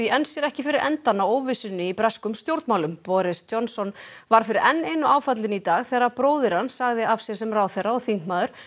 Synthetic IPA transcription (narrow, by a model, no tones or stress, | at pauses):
iɛnsjɛɾɛhcɪfɪɾɪɾʔɛ̰nt̪anːaoːwvɪsʏnːɪipɾaskʏmst̪jowɾt̪mawlʏmpɔɾɪstɔnsɔn | vaɾ̥fɪɾɪɾɛnːejnːʏaːwfat̪lɪnit̪aːɣθɛːɾapɾoːwðɪɾ̥hansaɣðɪavsjɛɾsɛmraːwθejrːaɔθiŋkmaːðʏɾ̥